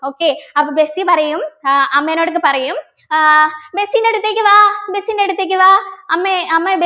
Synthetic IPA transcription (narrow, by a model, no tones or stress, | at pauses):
oːkeːɐpːɐbesipɐɾɐjɯmɐmːenoːɽɯk̬ːɯpɐɾɐjɯm | bɛsinɛɽɯt̪ːekʲːɯʋaːbɛsinɛɽɯt̪ːɐk̬ʲːɯʋaːɐmːeɐmːɐbe